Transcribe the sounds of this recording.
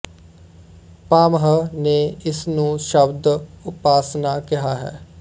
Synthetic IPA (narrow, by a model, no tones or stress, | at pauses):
paːmɦəneːɪsnũːʃəbd̪ʊpaːsnaːkɪɦaːɦɛ̰ː